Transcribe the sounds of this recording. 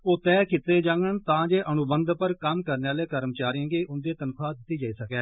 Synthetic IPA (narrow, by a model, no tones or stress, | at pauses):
oːt̪ɛːkɪt̪ːeːd͡ʒãːɡəɳt̪ãːd͡ʒeːʔənʊbənd̪pəɾkəmkəɾneːaːleːkəɾmt͡ʃaːɾijãːɡeːʔʊnd̪eːt̪ənkʰaːd̪ɪt̪ːiːd͡ʒaːiːsəkɛː